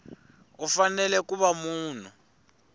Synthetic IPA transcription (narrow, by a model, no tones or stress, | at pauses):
ufanɛlɛkuβamuːn̤u